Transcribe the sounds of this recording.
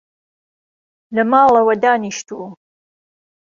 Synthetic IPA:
lɐmaːlɐwɐd̪aːniʃt̪ʰu

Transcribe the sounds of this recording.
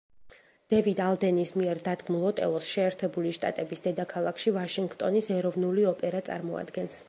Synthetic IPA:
d̪̥ɛvid̪alˠd̪ɛnismiɛɾd̪ad̪ɡmulˠɔt̪ʼɛ̰lˠɔsʃɛːɾt̪ʰɛbuliʃt̪ʼa̰t̪ʼɛbisd̪ɛd̪akʰalˠakʰʃivaʃiŋɡt̪ʼɔnisɛɾɔvnuliɔpʼɛɾat̪sʼa̰ɾmɔa̰d̪ɡɛns

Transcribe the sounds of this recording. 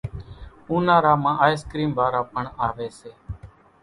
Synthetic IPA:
ũːnãːɾaːmãːʔaːjskɾiːmʋaːɾaːpəɳaːʋeːseː

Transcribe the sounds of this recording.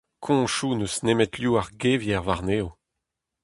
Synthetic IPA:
kʰɔ̃ʃuːnøsnemɛtljuːaʁɡevjɛʁvaʁneːo

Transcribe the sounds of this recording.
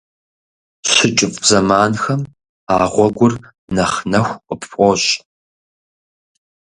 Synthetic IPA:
ɕɪt͡ʃʼɪpʼzɐmaːnxɐm | aːʁʷɔɡʷʊr | nɐχnɐxʷqʼəpɕʷʼɔɕ

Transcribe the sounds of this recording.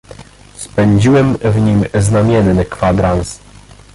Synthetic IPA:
spɛɲd͡ʑiwɛmvɲimznamʲjɛnːɘkfad̪ɾans

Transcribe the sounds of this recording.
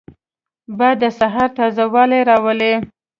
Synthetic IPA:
bad̪əsaɦɑɾt̪ɑzawɑleɾɑwəle

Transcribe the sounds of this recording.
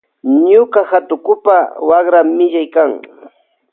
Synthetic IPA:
ɲʊkahat̪ʊkʊpawaχɾamːɪʎajkaŋ

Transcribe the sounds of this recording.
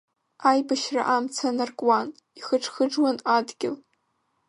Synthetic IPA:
ajbaʃra̰ʔamt͡sʰanarkʼwan | iχəʈ͡ʂʰʼχəʈ͡ʂwanadɡʲɪl

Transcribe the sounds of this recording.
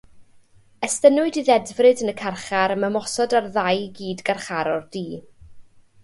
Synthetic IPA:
ɛstənʊɨdiðɛdvrɨdənəkʰarχaɾəməmɔsɔdarðajɡiːdɡarχaɾɔrdiː

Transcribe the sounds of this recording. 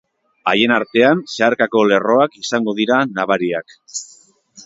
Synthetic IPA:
aje̞naɾt̪e̞anseaɾkako̞le̞ro̞akisaŋɡo̞ðiɾanaβ̞aɾiak

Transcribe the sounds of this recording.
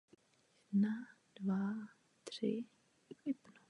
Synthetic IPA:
nad̥va | t̪r̥ɪ | ɪpno

